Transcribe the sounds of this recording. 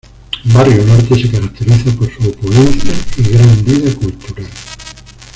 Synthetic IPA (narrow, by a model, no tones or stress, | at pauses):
barionoɾt̪esekaɾak̚t̪eɾiθakosuopuðenθiaiɣɾand̪iðekult̪uɾal